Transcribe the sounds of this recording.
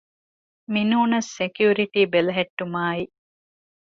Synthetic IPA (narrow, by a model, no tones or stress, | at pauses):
minuːnɐsːekjuːɾiʈiːbelɐɦeʈːumaːi